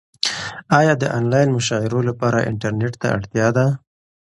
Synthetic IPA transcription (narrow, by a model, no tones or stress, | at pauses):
ɑjɑd̪əʔɑnlɑjnmʊʃɑɪɾolapɑɾa̰ʔɪ̰ɳʈaɾneʈt̪a̰a̰ɽt̪jɑd̪a